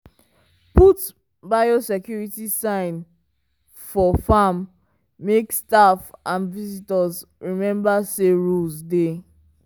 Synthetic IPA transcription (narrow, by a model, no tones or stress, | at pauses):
put | bajosɛkjuɹitisãɪ̃n | fɔfamː | ekstafʔãnvizitɔzɹimɛ̃mbaseɹulzde